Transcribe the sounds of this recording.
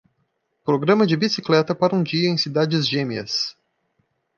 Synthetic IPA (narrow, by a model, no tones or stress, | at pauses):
pɾoɡɾɐ̃mɐd͡ʒɪbisiklɛt̪ɐpaɾɐũd͡ʒiɐẽj̃sid̪ad͡ʒɪzʒẽmiɐ̰s